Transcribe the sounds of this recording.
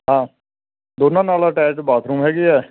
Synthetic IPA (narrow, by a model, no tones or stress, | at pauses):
ɦãː | d̪oːnãːnaːlaːʈɛːʈbaːt̪ʰɾuːmɦɛːɡiːɛː